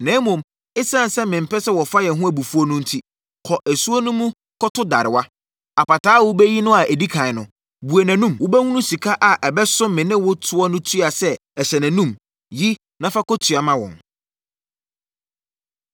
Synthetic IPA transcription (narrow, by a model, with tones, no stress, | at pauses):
nɛ̃ː˨˦mʊ̃˨m | ɪ˦sã˦n˨sɛ˦mɪ̃˨m̩˨pʰɛ˦sɛ˦wɔ˨fa˦jɛ˨ɦʊ̃˦æ˨bu˨fu˦ɔ˦nʊ̃˦n̩˦tʰi˦ | kʰɔ˨ʔæ˨su˦o˦nũ˦mũ˦ | kʰɔ˦tʰʊ˦da˨ɾɪ˨wa˦ | a˨pa˨tʰaː˨˦wʊ˦bɛ˦ji˦nʊ̃˦a˨ʔɛ˨di˦kʰã˨ɪ˨nʊ̃˨ | bu˨e˨næ̃˨nũ˦˨mwʊ˦bɛ˦hũ˦nũ˦si˨kʰa˦ʔa˨ʔɛ˨bɛ˦sʊ̃˦mɪ̃˨nɪ̃˦wʊ˦tʰʊ˦ɔ˦nʊ̃˦tʰɥa˨sɛ˦ | ɛ˨ɕɛ˨næ̃˨nũ˦˨m | ji˦ | nã˦fa˦kɔ˦tʰɥa˨mã˦wɔ̰̃˨n